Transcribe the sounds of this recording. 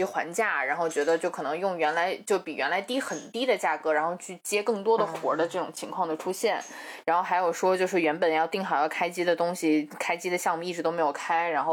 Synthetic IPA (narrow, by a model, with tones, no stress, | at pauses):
xwa̰˧˥nt͡ɕja˥˩ɻa˧˥nxo˥˩ʊt͡ɕɥɛ˧˥d̪ə˧t͡ɕjo˥˩ʊkʰɤ˨˩nɤ˧˥ŋjʊ˥˩ŋɥɛ˧˥nla˧˥ɪt͡ɕjo˥˩ʊpi˨˩ɥɛ̰˧˥nla˧˥ɪt̪i˥xə˨˩nt̪i˥d̪ə˨t͡ɕja˥˩kɤ˧˥ɻa˧˥nxo˥˧ʊt͡ɕʰy˥˩t͡ɕjɛ˥kɤ˥˩ŋt̪wɔ˥d̪ə˨xwɔ̰˧˥d̪ə˧ʈ͡ʂɤ˥˩ʈ͡ʂʊ̰˨˩ŋt͡ɕʰi˧˥ŋkʰwɑ˥˩ŋd̪ə˩ʈ͡ʂʰu˥ɕjɛ˥˩n | ɻa˧˥nxo˥˩xa˧˥ɪjo˨˩ʊʂwɔ˥t͡ɕjo˥˧ʊʂɻ̩˥˩ɥɛ˧˥npə˨˩njɑ˥˧ʊt̪i˥˩ŋxɑ˨˩ʊjɑ˥˩ʊkʰa˥ɪt͡ɕi˥d̪ə˨t̪ʊ˥ŋɕi˨kʰa˥ɪt͡ɕi˥d̪ə˨ɕjɑ˥˧ŋmu˩i˥˩ɻ̩˧˥t̪o˥ʊme˧˥ɪjʊkʰa˥ɪɻa˧˥nxo˥˧˩